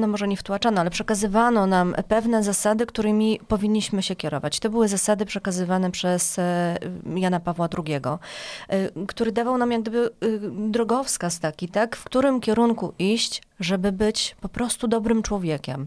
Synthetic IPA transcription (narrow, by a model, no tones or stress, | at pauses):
nɔmɔʐɛɲɛft̪uat͡ʂanɔalɛpʂɛkazɘvanɔnampɛvn̪ɛzasad̪ɘkt̪uɾɘmʲipɔvʲiɲːiɕmɘɕɛkʲɛɾɔ̰vat͡ɕt̪ɔbɘwɘzasad̪ɘpʂɛkazɘvanɛpʂɛs | janapavwad̪ɾuɡʲɛɡɔ | kt̪uɾɘd̪avawnamjaɡ̚d̪ɘbɘd̪ɾɔɡɔfskast̪akʲit̪akfkt̪uɾɘmkʲɛɾuŋkuʔiɕt͡ɕʐɛbɘbɘt͡ɕpɔpɾɔst̪ud̪ɔbɾɘmt͡ʂwɔvʲjɛkʲɛ̰m